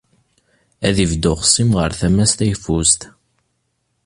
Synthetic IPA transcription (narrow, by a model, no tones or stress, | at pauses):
æðivd̪ʊʁsimʁəɾθæmæst̪æjfust̪